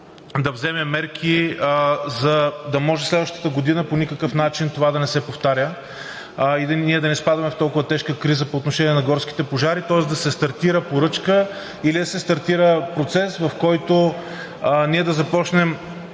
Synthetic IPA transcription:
d̪ɐvzɛmɛmɛɾkʰi | zɐd̪ɐmɔʒɛslɛd̪vəʃt̪ə̥t̪əɡod̪inəponikəkəfnat͡ʃint̪ovad̪ɐnɛsɛpoft̪aɾʲjə | id̪nʲiɛd̪ɐnɛspad̪ɐmɛft̪ɔlˠkʊvət̪ɛʃkəkɾizəpoːt̪noʃɛnʲiɛnɐɡɔɾski̥t̪ɛpoʒaɾit̪ɔɛsd̪ɐsɛst̪ɐɾt̪iɾəpoɾɤt͡ʃkə | ilid̪ɐsɛst̪ɐɾt̪iɾəpɾot̪sɛsvɐfkɔjt̪o | niɛd̪ɐzɐpɔt͡ʃnɛm

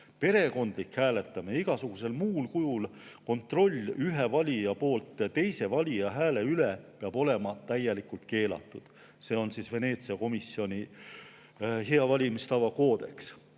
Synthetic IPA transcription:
pe̞ɾe̞ko̞nd̪̥likhæːle̞t̪ːˑɑmeiɡ̥ɑsuɡ̥use̞lmuːlkujulko̞nt̪ˑro̞lʲːyɦe̞vɑlʲijɑpo̞ːlt̪ˑjɑt̪e̞jse̞vɑlʲijɑɦæːle̞ylepeɑb̥o̞le̞mɑt̪æjːelikult̪̚ke̞ːlɑ̰t̪ːˑud̪̥ | se̞ːo̞nsiːsve̞ne̞ːt̪siɑko̞misːio̞nʲi | ɦe̞ɑvɑlʲimist̪ɑvɑko̞ːd̪̥e̞ks

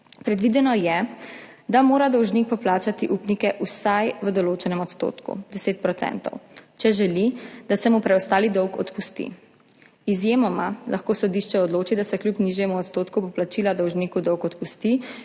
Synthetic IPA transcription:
pɾɛd̪ʋid̪ɛnɔjɛ | d̪amoːɾad̪ɔwʒniːk̚pɔplaːt͡ʃat̪iʔuːpnikɛʔusajʋəd̪ɔloːt͡ʃɛnɛmɔt̪st̪o̰ːt̪kṵd̪ɛseːt̪̚pɾɔt̪sɛ̰nt̪ɔ̰wt͡ʃɛʒɛlid̪asɛmupɾɛɔst̪aːlid̪ɔwkɔ̰t̪pust̪ḭ | izjemɔmalʔaxkoːsɔd̪iʃt͡ʃɛɔd̪loːt͡ʃid̪asɛklʲjupniʒjɛmuɔt̪st̪oːt̪kupɔplat͡ʃiːlad̪ɔwʒniːkud̪ɔwkɔt̪pust̪i

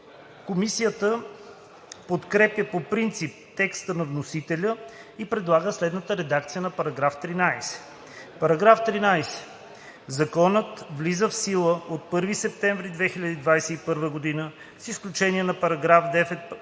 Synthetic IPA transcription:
komisijət̪ə | pot̪kɾɛpjəpopɾint̪sip̚t̪ɛkst̪ənɐvnosit̪ɛlʲəipɾɛd̪lˠaɡəslɛd̪nət̪əɾɛd̪akt̪sijənɐpɐɾɐɡɾaft̪ɾinajsɛ̥ | pɐɾɐɡɾaft̪ɾinajsɛ̥ | zɐkɔnət̪vlizəfsilˠəot̪̚pɤɾvisɛp̚t̪ɛ̃ɱvɾid̪vɛxilʲɐd̪iːd̪vajsɛipɤɾvəɡod̪inə | sisklʲut͡ʃɛniɛnɐpɐɾɐɡɾafd̪ɛfɛt̪

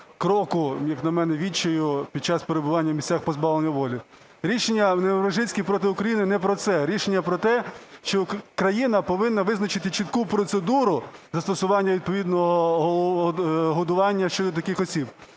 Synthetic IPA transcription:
kɾɔkʊjɐknɐmɛnɛʋʲit͡ʃɔjʊpʲid̪̚t͡ʃaspeɾebʊʋɑnʲːɐmʲisʲt͡sʲaxpɔzbɑʋlˠenʲːɐʋɔlʲi | ɾʲiʃenʲːɐneɾɐʒɪsʲkʲipɾɔt̪ɪʊkɾɐjinɪnɛpɾɔt̪sɛɾʲiʃenʲːɐpɾɔt̪ɛʃt͡ʃɔkɾɐjinɐpɔʋɪnːɐʋɪznɐt͡ʃɪt̪ɪt͡ʃɪt̪kupɾɔt̪sed̪uɾʊzɐst̪ɔsʊʋɑnʲːɐʋʲid̪̚pɔʋʲid̪nɔɦɔɦɔɦɔd̪ʊʋɑnʲːɐʃt͡ʃɔd̪ɔt̪̬ɐkɪxɔsʲib

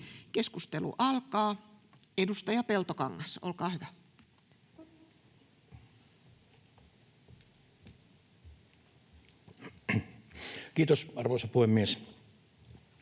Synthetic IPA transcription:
keskust̪elṵʔɑlkɑː | edust̪ɑjɑpelt̪okɑŋːɑso̰lkɑːhyʋæ | kiːt̪osɑrʋoˑisɑpuhemːies

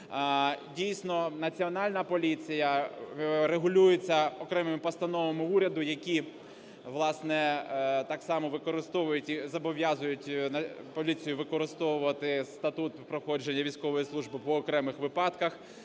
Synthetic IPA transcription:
dʲijsʲnɔnɐt͡sʲiɔnɑlʲnɐpɔlʲit͡sʲijɐ | ɾeɦʊlʲujet͡sʲːɐɔkɾɛmɪmɪpɔst̪ɐnɔʋomʊuɾʲɐd̪ʊjɐkʲi | ʋlˠɑsnɛt̪ɑksɑmɔʋɪkɔɾɪst̪ɔʋʊjʊtʲizɐbɔʋʲjɑzʊjʊt̪ʲɐ | pɔlʲit͡sʲijʊʋɪkɔɾɪst̪ɔʋʊʋɐt̪ɪst̪ɐt̪ut̪pɾɔxɔd͡ʒenʲːɐʋʲijsʲkɔʋɔjislˠuʒbɪpɔːkɾɛmɪxʋɪpɑt̪kɐx

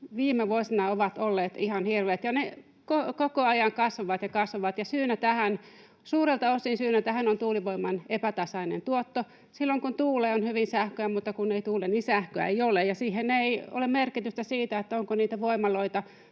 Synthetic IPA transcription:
ʋiːmeʋuosinɑoʋɑt̪olːeːt̪ihɑnhirʋeːt̪jɑne | kokokoɑjɑŋkɑsʋɑʋɑt̪jɑkɑsʋɑʋɑt̪jɑsyːnæt̪æhæn | suːrelt̪ɑosːinsyːnæt̪æhænont̪uːliʋoimːɑnepæt̪ɑsɑinḛnt̪uot̪ːo | silːoŋkunt̪uːleonhyʋinsæhkøæmut̪ːɑkuneit̪uːleninsæhkøæ̰eijolejɑsiːheneio̰lemerkit̪yst̪æsiːt̪æet̪ːæoŋkoniːt̪æʋoimːɑloit̪ɑ

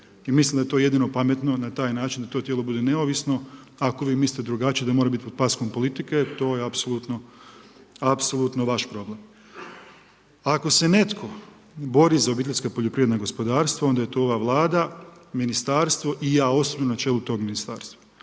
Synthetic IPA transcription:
imislˠimd̪aet̪oje̞d̪ino̞pamet̪no̞nat̪aːjnaːt͡ʃind̪at̪o̞t̪jelo̞bud̪e̞ne̞oʋisno̞ | ako̞ʋiːmisit̪ed̪ɾuɡat͡ʃied̪amo̞ɾabit̪ipod̪̚pasko̞mpo̞lit̪ike̞t̪o̞ːjeapsolˠut̪no | apsolˠut̪noʋaʃpɾo̞blem | ako̞se̞ne̞t̪kʰo̞ | bo̞ɾizao̞bit̪eskapo̞ʎopɾiʋed̪naɡo̞spod̪aːɾst̪ʋao̞nd̪aje̞t̪o̞oʋaʋlˠaːd̪aminist̪aːɾst̪ʋo̞ʔijaːo̞sobinonat͡ʃeːlut̪o̞ːɡminist̪a̰ːɾst̪ʋa

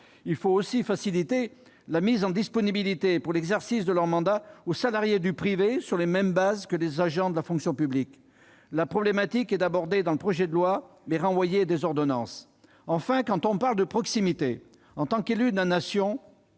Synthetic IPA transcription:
ilfoosifasilit̪e | lamizɑ̃d̪ispɔnibilit̪epuʁlɛɡzɛʁsisd̪əlœʁmɑ̃d̪aosalaʁjed̪ypχivesyʁlemɛmbazkəlezaʒɑ̃d̪əlafɔ̃ksjɔ̃pyblik | lapχɔblemat̪ikɛt̪abɔʁd̪ed̪ɑ̃ləpχɔʒɛd̪əlwa | mɛʁɑ̃vwajed̪ezɔʁd̪ɔnɑ̃s | ɑ̃fɛ̃kɑ̃t̪ɔ̃paʁld̪əpχɔksimit̪e | ɑ̃t̪ɑ̃kelyd̪lanasjɔ̃

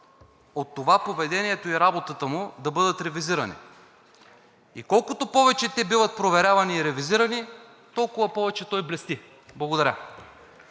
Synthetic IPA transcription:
ot̪ːovapovɛd̪ɛniɛt̪oiɾabot̪ət̪əmʊd̪ɐbɤd̪ət̪ɾɛviziɾɐnḭ | ikɔlˠkʊt̪opɔvɛt͡ʃɛt̪ɛbivɐt̪̚pɾovɛɾʲavɐniːɾɛviziɾɐni | t̪ɔlˠkʊvɐpɔvɛt͡ʃɛt̪ɔjblɛst̪i | blˠɐɡod̪ɐɾʲa̰

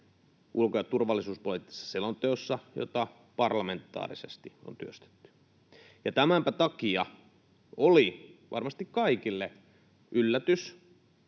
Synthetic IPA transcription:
ʔulkojɑt̪urʋɑlːisuːspolit̪ːi̥sːɑ̥selont̪eosːɑjo̰t̪ɑ | pɑrlɑment̪ːɑ̰ːrisest̪iont̪yøst̪e̥t̪ːy̥ | jɑt̪æmæmpæt̪ɑkiɑ | oliʋɑ̰rmɑst̪ikkɑikilːe | ʔylːæt̪ys

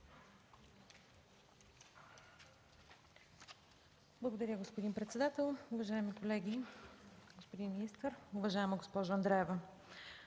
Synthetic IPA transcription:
blˠɐɡod̪ɐɾʲəɡospod̪inpɾɛt̪sɛd̪at̪ɛlˠʊvɐʒaɛmikolɛɡʲi | ɡospod̪inminist̪əɾʊvɐʒaɛməɡospɔʒəɐnd̪ɾɛɛvə

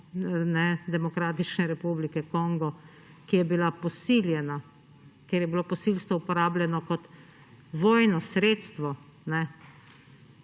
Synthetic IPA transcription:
nɛd̪ɛmɔkɾaːt̪it͡ʃnɛɾɛpublikɛkɔŋɡɔ | kijɛbilapɔsiljɛna | keɾjɛbilopɔsilst̪ʋɔupɔɾaːblʲjɛnɔkɔt̪ | ʋoːjnɔsɾet̪st̪ʋɔ | nɛ

